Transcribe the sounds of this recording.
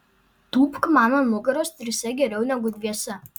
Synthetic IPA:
t̪uːpkmɑːmɐmˠʊɡɐɾoːst̪ʲɾʲɪsʲɛɡʲɛɾʲɛʊnʲɛɡʊd̪ʲʋʲiɛsʲɛ

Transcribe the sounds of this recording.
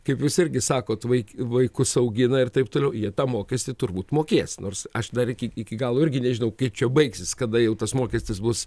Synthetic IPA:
kɐɪpjuːsɪrʲɡʲɪsɑːkoːt̪ʋɐɪkʲʋɐɪkʊsɐʊɡʲɪnɐɪrt̪ɐɪpt̪oːlʲɛʊjiɛt̪ɑːmoːkʲɛsʲt̪ʲɪt̪ʊɾrbuːt̪moːkʲeːsnʔoːrsɐʃd̪ɐɾɪkʲɪɪkʲɪɡɑːlˠoːɪrʲɡʲɪnʲɛʒʲɪnɐʊkɐɪp̚t͡ʃʲɛbɐɪksʲɪskɐd̪ɐjɛʊt̪ɐsmoːkʲɛsʲt̪ʲɪsbʊs

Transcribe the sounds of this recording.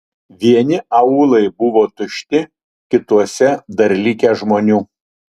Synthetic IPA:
ʋʲiɛnʲɪɐuːlˠɐɪbʊʋoːt̪ʊʃʲt̪ʲɪ | kʲɪt̪uɔsʲɛd̪ɐɾʲlʲiːkʲɛʒmoːnʲuː

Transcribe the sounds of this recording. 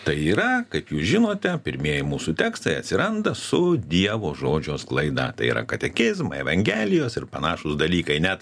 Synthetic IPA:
t̪ɐɪiːɾɐkɐɪpjuːsʒʲɪnoːt̪ʲɛpʲɪɾʲmʲiɛjɪmuːsut̪ʲæːkst̪ɐɪɐt̪ʲsʲɪɾɐnd̪ɐsʊd̪ʲiɛʋoːʒoːd͡ʒʲoːsklˠɐɪd̪ɐ̰t̪ɐɪḭːɾɐ̰kɐt̪ʲɛxʲɪzmɐɛʋɐŋʲɡʲæːlʲɪjoːsɪɾpɐnɑːʃʊsd̪ɐlʲiːkɐɪnʲɛt̪

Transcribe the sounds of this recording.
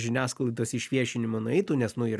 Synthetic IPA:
ʒʲɪnʲæːsklˠɪd̪oːsiʃʲʋʲiɛʃʲɪnʲɪmonʊɛɪt̪uːnʲɛsnʊi

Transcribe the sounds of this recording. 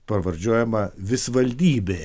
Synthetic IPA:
pɐʋɐɾʲd͡ʒʲuɔjɛmɐʋʲɪsʋɐlʲd̪ʲiːbʲeː

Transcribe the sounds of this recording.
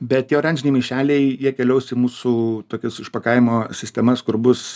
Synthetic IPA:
bʲɛt̪jɛʊɾɐnʲd͡ʒʲɪnʲeɪmʲɛɪʃʲæːlʲɛɪjiɛkʲɛlʲɛʊsʲɪmuːsuːt̪oːkʲɛsɪʃpɐkɐɪmoːsʲɪsʲt̪ʲɛmɐskʊɾbʊs

